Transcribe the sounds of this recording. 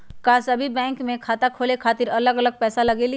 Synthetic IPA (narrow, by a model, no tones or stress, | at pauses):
kasɐbʱibɛ̃ːŋkmẽkʰaːt̪akʰoːlekʰaːt̪ɪɾɐləɡɐləɡ̚pɛːsalɐɡeli